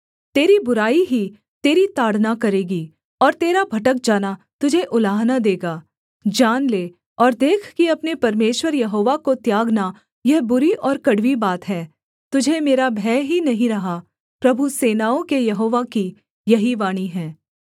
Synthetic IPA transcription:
t̪eːɾibʊɾaːiɦi | t̪eːɾit̪aːɽ̤nakɐɾeːɡi | ɔːɾt̪eːɾabʱɐʈək̚d͡ʒaːna | t̪ʊd͡ʒʱeʔʊlaːɦnad̪eːɡaː | d͡ʒaːnleː | ɔːɾd̪eːkʰkiɐpnepɐɾmeːʃwəɾjɐɦoːʋakot̪jaːɡna | jɛɦbʊɾiʔɔːɾkɐɽʋibaːt̪ɦɛː | t̪ʊd͡ʒʱemeːɾabʱɛːɦinɐɦĩɾɐɦa | pɾɐbʱuseːnaːõkejɐɦoːʋaki | jɐɦiʋaːɽ̃iɦɛ̃ː

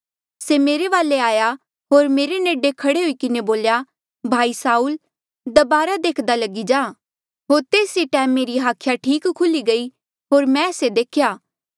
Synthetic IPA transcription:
semeːɾeʋaːleaːja | ɦoːɾmeːɾeneːɖekʰɐɽeɦoikɪneboːlja | bʱaːisaːuːl | d̪ɐbaːɾad̪eːkʰd̪alɐɡid͡ʒaː | ɦoːɾt̪eːsɾiʈɛ̃ːmẽɾiɦaːkʰjaʈʰiːkkʰːʊliɡɐi | ɦoːɾmɛ̃sed̪eːkʰjaː

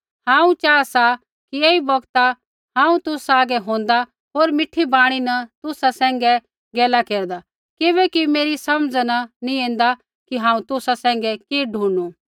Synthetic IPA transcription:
hãːũt͡ʃaːasa | kieːibɐɡt̪a | ɦãːũt̪ʊsaːɡɛɦõːn̆d̪a | ɦoːɾmɪʈʰːibaːɽ̃inɐt̪ʊsasɛ̃ːŋɡɛ | ɡeːlakeːɾd̪a | kɪbɛkimeːɾisɐmd͡znanĩẽːnd̪a | kiɦãːũt̪ʊsasɛ̃ːŋ̆ɡɛkeɖʱũːnu

